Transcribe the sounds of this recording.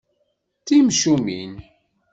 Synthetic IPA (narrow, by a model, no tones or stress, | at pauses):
θimʃumin